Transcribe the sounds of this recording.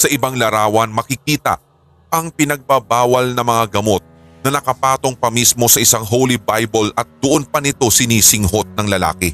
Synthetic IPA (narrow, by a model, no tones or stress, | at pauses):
sɐʔɪbaŋlɐɾaːwɐnmɐkɪk̚iːt̪ɐ̰ | ʔɐŋpɪnɐɡ̚babaːwɐlnɐmɐŋaɡɐmo̞t̪̚ | nɐnɐkɐpaːt̪o̞ŋpɐmismo̞sɐʔɪsaŋɦowlibajbolɐt̪̚d̪̥ʊʔonpɐnɪt̪o̞sɪniːsɪŋɦo̞t̪̚nɐŋlɐla̰ːkɪ